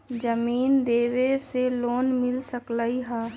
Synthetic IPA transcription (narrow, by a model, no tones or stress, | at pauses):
d͡ʒəmiːnd̪eːʋeseloːnmɪlsəklaːiɦɛː